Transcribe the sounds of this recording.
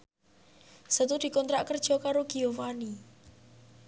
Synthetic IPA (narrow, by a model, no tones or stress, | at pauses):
sət̪ud̥i̤kɔnt̪ɾaʔkərd̥ʒ̥ɔ̤kaɾoɡ̥iofani